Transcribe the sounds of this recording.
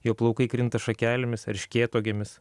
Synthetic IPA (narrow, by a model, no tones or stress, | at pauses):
joːplˠɐʊkɐɪkɾʲɪnt̪ɐʃɐkʲæːlʲɪmʲɪsɐɾʲʃʲkʲeːt̪oːɡʲemʲɪs